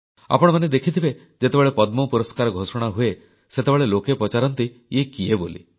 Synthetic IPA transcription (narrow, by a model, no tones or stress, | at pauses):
a̰pɔɽ̃ɔmaned̪ekʰit̪ʰibe | d͡ʒet̪ebeɭepɔd̪mopuɾɔskaɾɔɡʱosɔɽ̃aɦue | set̪ebeɭelokepɾɔt͡ʃaɾɔnt̪i | ekiebolḭ